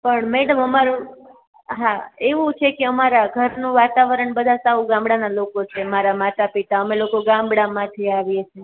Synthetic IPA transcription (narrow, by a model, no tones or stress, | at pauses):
pəɳmɛɽəməmaɾũ | ɦaeʋũt͡ʃʰekeəmaɾaɡʱəɾnũʋat̪aʋəɾəɳbəd̪ʱasaʋũɡãmbɽanalokot͡ʃʰemaɾamat̪apit̪aəmelokoɡãmbɽamãt̪ʰiaʋjet͡ʃʰe